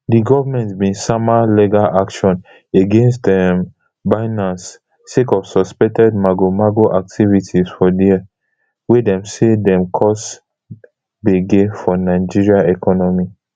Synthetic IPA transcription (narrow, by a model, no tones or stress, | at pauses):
diɡɔvamɛ̃ntbĩnsamaliɡalʔakʃɔ̃n | eɡẽns̬tɛm | baɪnãnsː | ekɔfsɔspɛk̚tɛd̚maɡomaɡoʔak̚tʰivitʰizfɔdiɛ | wedɛ̃msedɛ̃mkʰɔs | beɡefɔnaɪd͡ʒiɹiaɛkʰɔnɔmi